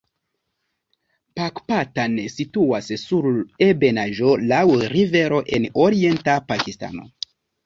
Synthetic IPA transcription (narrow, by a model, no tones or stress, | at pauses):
pakpatansituassuɾebe̞naʒolawɾive̞ɾo̞ʔenoɾie̞ntapakista̰no̰